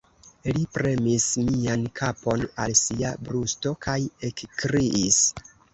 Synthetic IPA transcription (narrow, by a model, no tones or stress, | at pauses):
lipɾe̞mismiankʰapo̞nalsiabɾusto̞kʰaje̞kkɾiʔis